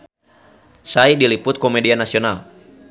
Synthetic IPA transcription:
saidilipʊt̪̚kɔmɛdianasiɔnal

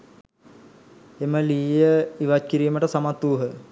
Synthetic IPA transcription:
eməliːjəiʋac̚kiɾiːməʈəsamat̪ːuːɦə

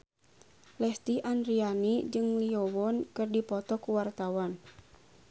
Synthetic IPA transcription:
lɛst̪iʔanɾianid͡ʒɨŋliɔwɔnkɨrdipɔt̪ɔkuwart̪awan

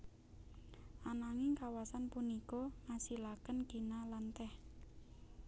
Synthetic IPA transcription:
ʔanaŋɪŋkawasanpunikɔŋasilakənɡ̥i̤nalant̪ɛh

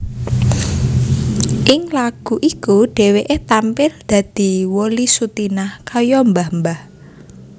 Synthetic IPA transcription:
ʔɪŋlaɡ̥uʔikuɖ̥e̤weʔet̪ampɪld̪̥ä̤d̪̥i̤wolisut̪inahkajɔmbahmbah

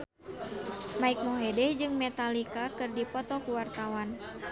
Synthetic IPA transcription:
maik̚mɔɦɛdɛhd͡ʒɨŋmɛt̪alikakɨrdipɔt̪ɔkuwart̪awan

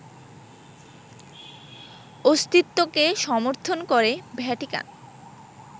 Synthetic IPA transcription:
ost̪it̪ːokeʃɔmoɾt̪ʰonkoɾebʱɛʈika̰n

